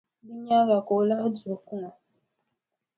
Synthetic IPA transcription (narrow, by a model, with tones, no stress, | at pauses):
di˦ɲa˦ɣa˨ko˨˦la˦du˨o˨ku˦ŋa˨